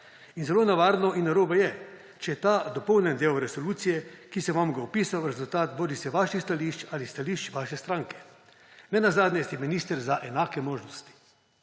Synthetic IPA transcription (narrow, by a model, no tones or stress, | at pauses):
inzɛloːnaʋaːɾnɔʔinːaɾoːbajɛ | t͡ʃɛjɛt̪aːd̪ɔpɔwnʲɛnd̪ewɾɛsɔluːt̪sijɛkisɛʋamɡaupiːsawɾɛzult̪aːt̪boːɾisɛʋaːʃixst̪aliʃt͡ʃalist̪aliʃt͡ʃʋaːʃɛst̪ɾãːŋkɛ̥ | nɛnazaːd̪nʲjɛst̪ɛminiːst̪əɾzaʔɛnaːkɛmoːʒnɔst̪i̥